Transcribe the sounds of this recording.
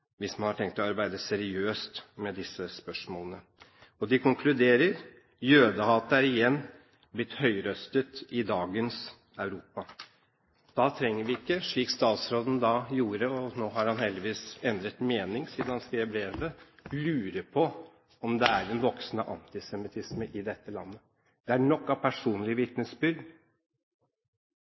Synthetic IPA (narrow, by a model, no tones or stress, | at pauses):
ʋɪsmɑnhɑʈʰɛŋk̚t̪ɔɑɾbæɪd̪əsɛɾɪøːst̪mɛd̪ɪsːəspœʂmoːlənə | ɔd̪ɪkʰʊŋkʰlʉd̪eːɾəɾ | jøːd̪əhɑːt̪əæɾɪjɛnː | blɪt̪ːhœʏɾœst̪ət̪ɪd̪ɑːɡəns | œʉɾuːpɑ | d̪̥ɑt̪ʰɾɛŋːəɾʋɪɪkːəʂɭiːkst̪ɑːt̪sɾoːd̪n̩d̪ɑjuːɾəɔnoːɦɑɾhɑnhɛld̪ɪʋiːsɛnd̪ɾət̪meːnɪŋsiːd̪nhɑnskɾeːbɾeːʋəlʉːɾəpʰɔ | ɔmd̪ɛæɾɛnʋɔksnəʔɑ̰nt̪ɪsɛmɪt̪ʰɪsməʔɪd̪ɛt̪ːəlɑ̰nːə | d̪̥ɛæɳɔkːɑpʰæʂuːnlɪəʋɪt̪nəsbʏɾɡ